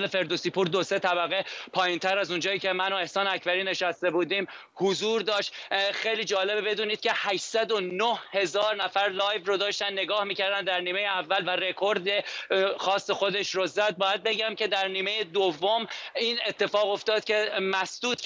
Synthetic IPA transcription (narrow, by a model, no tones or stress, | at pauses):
lefe̞ɾd̪osiːpʰuːɾd̪ose̞t̪ʰæbæɣe̞pʰɒːjint̪ʰæɾæzund͡ʒɒːjiːcʲʰe̞mænoe̞hsɒːnæcʰbæɾiːne̞ʃæst̪e̞buːd̪iːm | hozuːɾd̪ɒːʃt̪xejliːd͡ʒɒːle̞bbe̞d̪uːniːd̪̥̚cʲʰe̞hæʃsæd̪onohhe̞zɒːɾnæfæɾlɒːjvrod̪ɒːʃt̪ænːeɡɒːhmiːcʰæɾd̪ænd̪æɾniːme̞jeævːælvære̞kʰo̞ɾd̪exɒːsːexo̞d̪e̞ʃɾozæd̪̚bɒːjæd̪̚be̞ɟæmcʰe̞d̪æɾniːme̞jed̪ovːomine̞t̪ʰːe̞fɒːɣo̞ft̪ɒːd̪̚cʲʰe̞mæsd̪̥uːt̪